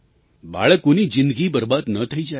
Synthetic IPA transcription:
ba̰ɭəkunid͡ʒind̪ɡiːbəɾbad̪nət̪ʰəid͡ʒae

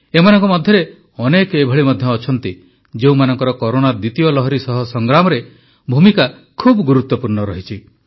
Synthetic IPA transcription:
emanɔŋkɔmɔd̪ʱjɔɾe | ɔnekebʱɔɭimɔd̪ʱjɔːt͡ʃʰɔnt̪i | d͡ʒeũmanɔŋkɔɾɔkɔɾonad̪it̪ijɔlɔɦɔɾisɔɦɔsɔŋɡɾamɔɾe | bʱumika | kʰubɔɡuɾut̪wɔpuɾnɔɾɔɦit͡ʃʰi

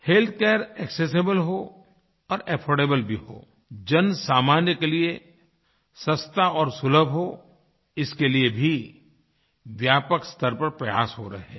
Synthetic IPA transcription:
helt̪̚ʰkeːɾɛːkses̬ebəlɦo | ɔːɾɛpʰɔːɖeːbəlbʱiɦo̰ː | d͡ʒɐnsaːmaːnjəkelie | sɐ̃st̪aɔːɾsʊləbʱɦo | ɪskeliebʱi | ʋjaːpəkst̪əɾpɐɾpɾɐja̰ːsɦoɾɐɦɛː

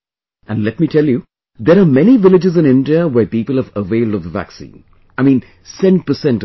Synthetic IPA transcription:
ʔə̃nlɛt̚mitʰɛlju | d̪əɾamɛniʋɪlɪd͡ʒɪzɪ̃nɪ̃ndiəwɛːpiːpəlˠəvəʋeɪlˠdɔvðəʋæ̰ksḭ̃ːn | aɪmĩːn | sɛ̃n̚pəsɛ̃nt

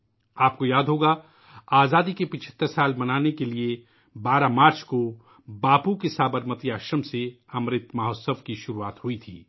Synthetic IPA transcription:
aːp̚kojaːd̪ɦoːɡaː | aːzaːd̪ikepɪt͡ʃʰə̥t̪ːəɾsaːlbɐnaːnekelie | baːɾamaːɾt͡ʃko | baːpukesaːbəɾmət̪iaːʃəmse | ɐmɾɪt̪mɐɦoːsəʋkiʃʊɾuaːt̪ɦʊit̪ʰḭː

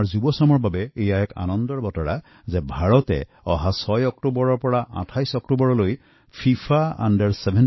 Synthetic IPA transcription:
ɹzubɔsamɔɹbabɛejaɛka̰nɔnd̪ɔɹbɔtɔɹa̰ | zɛbʱaɹɔtɛ̰ | ɔɦasɔjɔk̚tubɔɹɔɹpɔɹaʔã̰tʰajsɔktubɔɹɔloj | pʰipʰaa̰ndaɹsebʱɛn

